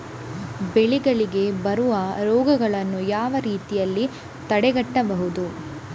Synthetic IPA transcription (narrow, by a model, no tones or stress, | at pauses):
beɭiɡɐɭiɡe̞bɐɾuʋɐɾɔːɡɐɡɐɭɐnːujaːʋɐɾiːt̪ijɐlːi | t̪ɐɽɛɡɐʈːɐbɐɦud̪u